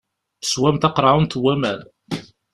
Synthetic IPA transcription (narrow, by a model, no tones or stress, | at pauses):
ə̥swæmt̪ɑqɾˤɑunt̪wæmæn